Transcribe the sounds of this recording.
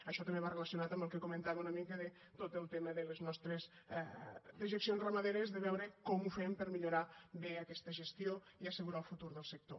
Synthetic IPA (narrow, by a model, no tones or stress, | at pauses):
əʃɔt̪ɐmbeβareləsjunat̪ɐmbəlˠkekumẽnt̪aβeunəmikəðe | t̪ot̪əlˠt̪eməðeleznɔst̪ɾez | d̪iʒəksjonzrəmaðeɾezðəβɛwɾəkɔmufempəɾmiʎuɾaβeɐkɛst̪əʒest̪jo | iɐsəɣuɾalˠfut̪uɾðəlˠsək̚t̪o̰